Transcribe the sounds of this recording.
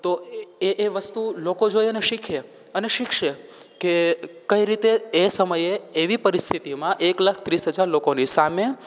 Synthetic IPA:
t̪oeʔeʋəst̪ulokod͡ʒojeəneʃikʰe | əneʃikʰʃe | kekəiɾit̪eesəməjeːʋipəɾist̪ʰit̪imãʔekləkʰt̪ɾisɦəd͡ʒaɾlokonisame

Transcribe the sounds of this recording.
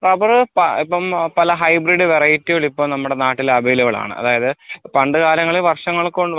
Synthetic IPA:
proːbɐrpɐipːɐmpɐlɐɦɐjbriɖɨʋerɐjitːijoɭipːoːɭnɐmːuɽe̞naːʈːilɐbɐjiluɣɐɭa̰ːɳɨ̰ɐ̰ðaːjɐðɨpɐɳɖɨɣaːɾɐŋːɐɭilʋɐrʂɐŋːɐɭkoɳɖ

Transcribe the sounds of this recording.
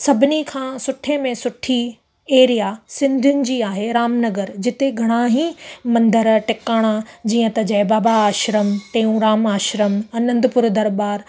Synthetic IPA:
sɐbʱɪnikʰãːsʊʈʰemẽsʊʈʰi | eːɾijasɪ̃nd̪ʱʊnɪ̆d͡ʑiːaːɦeɾaːmnɐɡəɾd͡ʑɪt̪eɡʱɐɽ̃aɦĩmɐ̃nd̪əɾʈɪkaːɽ̃ad͡ʑiːə̃t̪ɐd͡ʑɐːbaːbaaːʃɾəmʈẽːũɾaːmaːʃɾəmɐnə̃nd̪ʊpʊɾd̪ɐɾbaːɾ

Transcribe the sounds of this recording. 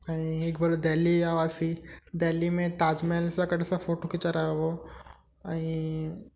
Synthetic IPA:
aĩekbɐlod̪ɛːliaːʋaːsid̪ɛːlːimẽt̪aːd͡ʒmelsakəɽ̤ʱsafoːʈokit͡ʃaɾaoʋo | aĩ

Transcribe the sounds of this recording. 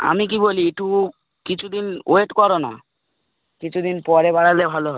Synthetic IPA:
a̰mik̬ibolieʈu | kit͡ɕʰud̪inoeʈkɔɾona̰ | kit͡ɕʰud̪inpɔɾebaɽalebʱaloɦɔ

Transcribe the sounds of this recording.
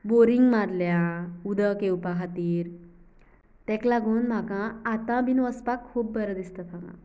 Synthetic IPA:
boɾiŋɡmaɾljãud̪əkewpaɦat̪iːɾ | t̪ɛ̃klaɡuːnm̤akãːt̪ãbʱinʋəspakʰːuːpbəɾəd̪ist̪at̪ãɡã̰

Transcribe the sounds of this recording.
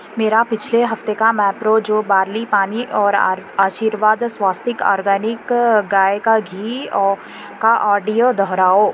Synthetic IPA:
meːɾapɪt͡ʃʰleɦɐft̪ekamɛ̃ːpɾod͡ʒoːbaːɾlipaːniʔɔːɾaːʃiːɾʋaːd̪swaːst̪ɪkɔ̰ːɾɡəːnɪkɡaːjkaɡʱiːɔ | kaʔɔːɖijod̪ʱɔɦɾaːoː

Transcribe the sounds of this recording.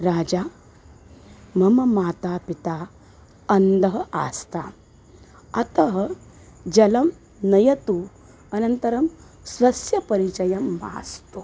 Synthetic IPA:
ɾaːd͡ʑa | mɐmɐmaːt̪aːpit̪a | ɐnd̪ɐɦɐʔa̰st̪a | ɐt̪ɐɦɐ | d͡ʑɐlɐm | nɐjɐt̪u | ɐnɐnt̪ɐɾɐm | sʋɐsjɐpɐɾit͡ʃɐjɐmːa̰ːst̪u

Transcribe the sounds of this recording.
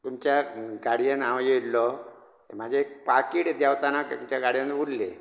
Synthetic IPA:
t̪umt͡ɕjaɡaɽijanaʋjelːɔ | emad͡ʑʱeːk̚pakiːɽd̪jaʋt̪anat̪umt͡ɕjaɡaɽjanbʱulːe

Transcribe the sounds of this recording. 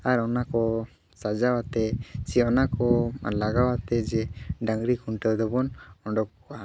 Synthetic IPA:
aɾɔnakɔ | sad͡ʒawat̪ɛsɛɔnakɔlaɡawat̪ɛd͡ʒɛɖaŋɡɾikuɳʈɛwd̪ɔbɔnɔɳɖɔk̚ua

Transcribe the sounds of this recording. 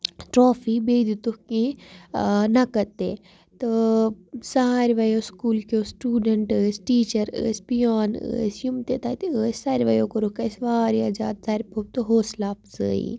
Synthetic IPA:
ʈɾoːfiːbeːd̪it̪uhkĩ | nɐkɐt̪eː | t̪ɨ | sɐaːɾʋɐjoːskuːlkoːsʈuːɖɐɳʈəːsʈiːt͡ʃɐɾə̰ːspijaːnə̰ːsjumt̪et̪aːt̪iəːsʲsaːɾʲʋɐjoːkoɾukɐsʋaːɾiɐd͡ʒa̰ːd̪̚saːɾʲipʰoːb̚t̪oɦoːslaːpzɨ̰ːḭ

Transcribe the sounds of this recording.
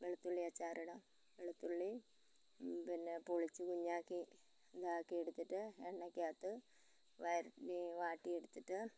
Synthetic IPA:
ʋeɭut̪ːuɭːiɐt͡ɕːaːɾʔiɽɐm | ʋeɭut̪ːuɭːi | pinːepoɭit͡ɕːɨkuɲːaːkːi | d̪aːkːieɽut̪ːiʈːɨeɳːɐkʲːaːt̪ːɨ | ʋɐjɾniʋaːʈːieɽut̪ːiʈːɨ

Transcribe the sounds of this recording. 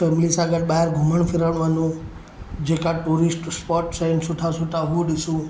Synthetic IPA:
fɛmlisaɡəʈ̚baɦeɾɡʱuməɳpʰiɾaɳʋanũ | d͡ʒekaʈuɾisʈspɔʈsensuʈʰasuʈaɦuɖisũ

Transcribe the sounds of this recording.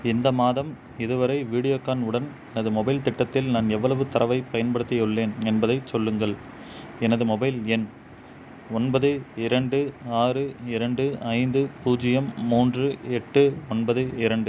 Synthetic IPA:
ɪnd̪ɐmaːðɐm | ɪðɯʋɐɾɐɪʋiːɽɪjoːkːaːnɯɽɐn | ɛnɐðɯmɔbɐɪlt̪ɪʈːɐt̪ːɪlnaːnɛʋːɐɭɐʋɯt̪ɐɾɐʋɐɪpɐjɐnbɐɽɯt̪ːɪjɯɭːeːnɛnbɐðɐɪsɔlːɯŋɡɐɭ | ɛnɐðɯmɔbɐɪlɛn | ɔnbɐðɯɪɾɐɳɖɯaːrɯɪɾɐɳɖɯɐɪnd̪ɯpuːd͡ʒɪjɐmːuːndrɯɛʈːɯɔnbɐðɯɪɾɐɳɖɯ

